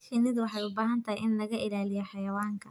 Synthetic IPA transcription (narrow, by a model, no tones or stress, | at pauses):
sɪnɪðʊwɑħɑjʊbaːɦɐnt̪ʰɐhɪjʔɪnlɐɣɐʔɪlaːlɪjɛħɑjɐwaːŋkʰɐ